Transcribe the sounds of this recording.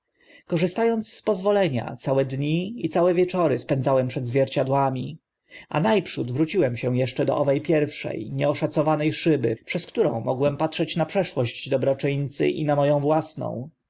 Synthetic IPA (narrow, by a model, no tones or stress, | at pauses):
kɔʐɘst̪ajɔnt̪sːpɔzvɔlɛɲa̰t̪sawɛd̪ɲiit̪sawɛvʲjɛt͡ʂɔɾɘspɛnzawɛmpʂɛd̪zvʲjɛɾt͡ɕad̪wamʲi | a̰najpʂud̪vɾut͡ɕiwɛmɕɛ̃jɛʂt͡ʂɛd̪ɔ̰ʔɔvɛjpʲjɛɾfʂɛ̰jɲɛɔʂat̪sɔvanɛjʂɘbɘ̰pʂɛskt̪uɾɔ̰̃w̃mɔɡwɛmpatʂɛt͡ɕnapʂɛʂwɔʑd͡ʑd̪ɔbɾɔt͡ʂɘɲt̪sɘ̰ʔḭnamɔjɔ̃w̃vwasnɔ̰̃w̃